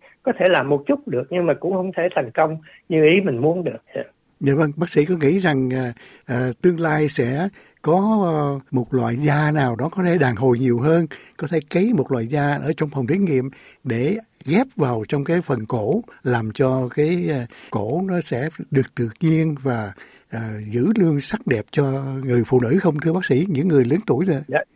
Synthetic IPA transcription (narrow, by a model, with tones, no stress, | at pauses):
kɔ˨˦t̪ʰe˧˩laː˨˩mo˨˩t̚t͡ɕʊ˦˥t̚ɗɨ˨˩ək̚ɲɨ˧ŋmaː˨˩kʊ̰˧˥ŋ͡mhə˧wŋ͡mt̪ʰe˧˩t̪ʰɛ˨˩jŋ̟kə˧wŋ͡m | ɲɨ˧ʔi˨˦mï˨˩ŋ̟mu˨˦ənɗɨ˨˩ək̚a̰˧ | zaː˨˩və˧ŋɓaː˦˥k̚sḭ˧˥kɔ˨˦ŋḭ˧˥za˨˩ŋʔaː˨˩ | ʔəː˨˩t̪ɨ˧əŋlaː˧jsɛ̰˧˥ | kɔ˨˦mo˨˩t̚lwa̰ː˧˨jzaː˧naː˨˩wɗɔ˨˦kɔ˨˦t̪ʰe˧˩ɗaː˨˩ŋɦo˨˩jɲi˨˩əwɦəː˧nkɔ˨˦t̪ʰe˧˩kə˨˦jmo˨˩t̚lwa̰ː˧˨jzaː˧ʔəː˧˩t͡ɕɔ˧wŋ͡mfə˨˩ŋ͡mt̪ʰi˨˦ŋŋḭ˧˨əmɗe˧˩ | ɣɛ˦˥p̚vaː˨˩wt͡ɕɔ˧wŋ͡mkaː˨˦jfə˨˩nko˧˥laː˨˩mt͡ɕɔ˧kaː˨˦jko˧˥nɔ˨˦sɛ̰˧˥ɗɨ˨˩ək̚t̪ɨ̰˧˨ɲi˧ənvaː˨˩ | ʔəː˨˩zɨ̰˧˥lɨ˧əŋsa˦˥k̚ɗɛ˨˩p̚t͡ɕɔ˧ŋɨ˨˩əjfṵ˧˨nɨ̰˧˥xə˧wŋ͡mt̪ʰɨ˧əɓaː˦˥k̚sḭ˧˥ɲɨ̰˧˥ŋːɨ˨˩əjlɨ̰˨˦ŋt̪u˧˩əjzɨ˧˨